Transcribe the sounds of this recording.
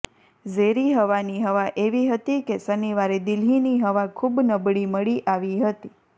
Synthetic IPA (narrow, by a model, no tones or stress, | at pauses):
zeɾiɦəʋaniɦəʋaʔeʋiɦət̪ikesəniʋaɾed̪ɪlɦiniɦəʋakʰubnəbɽiməɭiʔaʋiɦət̪i